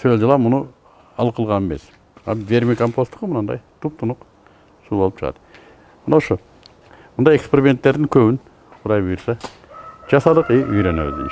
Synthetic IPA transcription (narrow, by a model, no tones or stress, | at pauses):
sɵjzd͡ʒəlˠɑmʊnə | ɑlˠqəlˠʁɑnemḛs | ɑvʲe̞ɾmikompost̪ə̥qəmnɑnd̪ɑ̰jt̪ʰup̚t̪ʰʊnəq | subolˠəpt͡ʃʰəʁɑ̰t̪ə | mənɑwʃə | mʊnd̪ɑjekspeɾʲimʲent̪ːe̞ɾd̪ɪŋkʲʰɵbɪn | qʰʊd̪ɑjbujəɾsɑ | ʒ̥ɑsɑd̪əqiyjɾenew̰̪d̪ɪ̰ŋ